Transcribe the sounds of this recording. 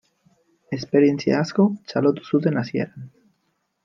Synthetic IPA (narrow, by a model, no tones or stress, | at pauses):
espeɾjenθja̰askot͡ʃalot̪u̥sut̪enaθjḛɾan